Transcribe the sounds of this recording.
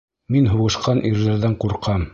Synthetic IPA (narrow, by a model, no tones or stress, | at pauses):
minɦuʁɤ̆ʃqɑnʔiɾðæɾðæɴquɾqɑm